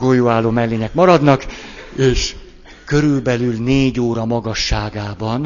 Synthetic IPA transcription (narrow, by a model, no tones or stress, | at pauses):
ɡoːjoːaːlːoːmɛlːeːɲɛkmɒɾɒd̪nɒkeːʃ | kø̞ɾylbɛlylneːɟoːɾɒmɒɡɒʃːaːɡaːbɒn